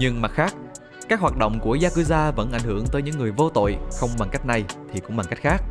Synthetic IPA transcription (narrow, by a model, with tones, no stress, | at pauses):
ɲɨ˧ŋma˨˩k̚xaː˦˥k̚ | kaː˦˥k̚waː˨˩t̚ɗo̰˧˨wŋ͡mku˧˩əzaː˧kɨ˧zaː˧və̰˧˥nʔa˧˩jŋ̟hɨ˧˩əŋt̪əː˨˦jɲɨ̰˧˥ŋːɨ˨˩əjvo˧t̪o̰˧˨jxə˧wŋ͡mɓa˨˩ŋka˦˥jk̟̚na˨˩jt̪ʰi˨˩kʊ̰˧˥ŋ͡mɓa˨˩ŋka˦˥k̚xaː˦˥k̚